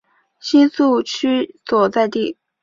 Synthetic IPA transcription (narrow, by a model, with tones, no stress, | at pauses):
ɕi˥nsu˥˩t͡ɕʰy˥swɔ˨˩t͡sa˥˧ɪt̪i˥˩